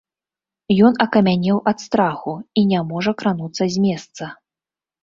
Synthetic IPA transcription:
jɔn̪ɐkɐmʲanʲɛwʔɐt̪st̪ɾaxuinʲamɔʐɐkɾanut̪sːɐzʲmʲɛst̪sɐ

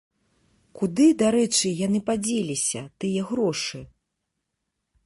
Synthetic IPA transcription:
kud̪ɨd̪aɾɛt͡ʂɨjanɨpad͡zʲelʲisʲɐt̪ɨjɛɣɾɔʂɨ

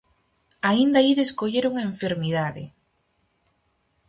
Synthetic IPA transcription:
aind̪aiðeskoʎeɾuŋeɱfeɾmiðaðɪ̰

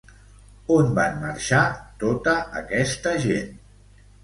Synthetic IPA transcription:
onba̰nːəɾʃat̪ot̪əːkɛst̪əʒen

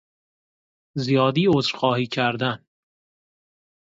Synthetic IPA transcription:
zijɒːd̪iːozɾxɒːhiːcʰæɾd̪æn

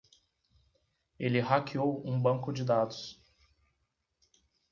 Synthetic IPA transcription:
elɪɦakʰiowũbɐ̃kʊd͡ʒɪd̪ad̪ʊs

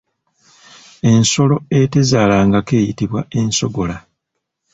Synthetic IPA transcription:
e̞nso̞lo̞e̞tezaːlaːŋɡake̞ːjitiβwae̞nso̞ɡo̞la

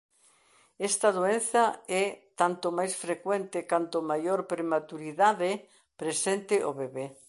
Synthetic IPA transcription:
ɛst̪ɐðoenθɐɛt̪ant̪omajsfɾekwent̪ɪkant̪omajoɾpɾemat̪uɾiðaðɪ | pɾesent̪ɪʔoβeβe

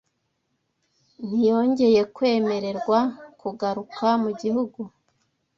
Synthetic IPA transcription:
n̥ijo̞ːɲɟe̞je̞kwe̞ːme̞ɾe̞ɾɡwakuɡaɾukʰamuɟihuɡu

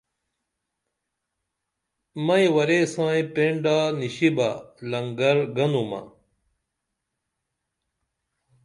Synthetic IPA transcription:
mɐĩwɐɾeːsãːĩpẽːɳɖaːniɕiba̰ːlɐŋɡəɾɡɐnuːma̰ː

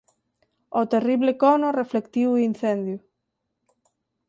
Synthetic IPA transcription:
ot̪eriβlekonoreflekt̪iwuin̟θend̪ju

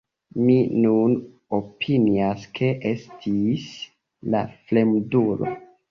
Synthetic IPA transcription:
minun | opʰiniaskʰe̞ʔe̞stʰis | la̰fle̞mdulo̰

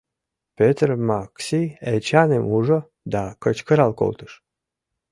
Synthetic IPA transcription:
pʲøt̪rmaksiet͡ɕanemuʐo | d̪akət͡ɕkəɾalko̰lˠt̪ɨ̥ʃ

